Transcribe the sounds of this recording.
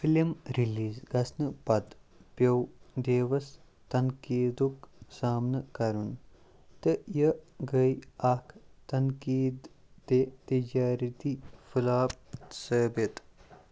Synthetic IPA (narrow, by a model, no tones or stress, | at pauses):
filimɾiliːzɡɐsnɨpɐt̪pjɐwd̪eːʋɐs | t̪ɐnkiːd̪uksaːmnɨkɐɾun | t̪ɨjəɡəjakʰt̪ɐnkiːd̪ː | eːt̪id͡ʒaːɾɐt̪ifʰulaːp̚səːbɐt̪